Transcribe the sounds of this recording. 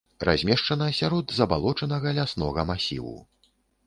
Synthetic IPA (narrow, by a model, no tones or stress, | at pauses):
ra̰zʲmʲɛʂt͡ʂɐnɐɐsʲaɾɔd̪zɐbalˠɔt͡ʂɐnɐɣɐlʲasnɔɣɐmasʲḭwṵ